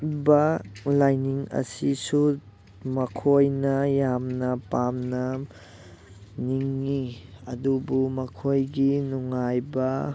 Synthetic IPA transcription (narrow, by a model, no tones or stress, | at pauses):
bɐlajniŋɐ̰sisu | mɐkʰojnɐjamnɐpamnɐ | niŋːiɐdubumɐkʰojɡinuŋajbɐ